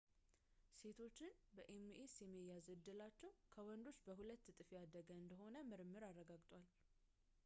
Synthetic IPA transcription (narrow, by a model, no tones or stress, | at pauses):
se̞t̪ʰo̞t͡ʃːɪnbəʔemːʔesjɛmːijazɨd̪ːɨlat͡ʃːɛwkʰəwɔnd̪o̞t͡ʃːbəɦulət̪ːt̪ʼɨfiad̪əɡəɨnd̪əɦo̞nəmɨɾmːɨɾarːəɡaɡt̪ʼwal